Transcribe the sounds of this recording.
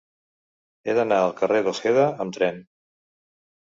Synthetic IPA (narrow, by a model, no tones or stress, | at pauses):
eðənaəlˠkəreðəseðəəmt̪ɾɛn